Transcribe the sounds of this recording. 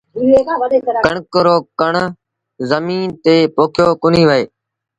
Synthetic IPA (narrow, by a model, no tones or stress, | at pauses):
kəɳkəɾoːkəɳ | zəmiːnt̪eːpoːkʰjoːkʊn̤iːʋəeː